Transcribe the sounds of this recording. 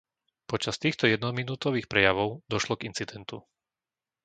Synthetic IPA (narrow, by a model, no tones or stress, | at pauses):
pɔt͡ʃast̪iːxt̪ɔjɛd̪nɔminuːt̪ɔʋiːxpɾɛjaʋɔʊd̪ɔʃlɔɡint͡sid̪ɛnt̪u